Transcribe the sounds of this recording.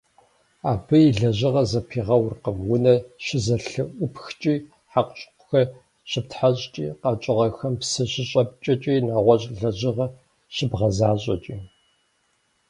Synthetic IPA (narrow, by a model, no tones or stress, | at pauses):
aːbɨiɮɐʑɪʁɐzɐpʰiːʁɐwrqəmwʊnɐʃɪzɐɬɨʔʷʊpʰxt͡ʃʼiː | ħaqʷɕʼqʷʊxɐ | ɕɪp̚tħaɕʼt͡ʃʼḭːqɑːt͡ʃʼɨʁɐxɐmpsɐɕɪɕʼɐp̚t͡ʃʼɐt͡ʃʼiːnaːʁʷɔɕʼɮɐʑɪʁɐ | ʃɪbʁɐzaːɕʼɐ̰t͡ʃʼiː